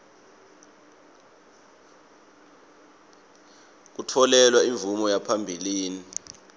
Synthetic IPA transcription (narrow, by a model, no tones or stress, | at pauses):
k̬utʰɔlɛlwaiɱvumɔjapʰambʱiliːni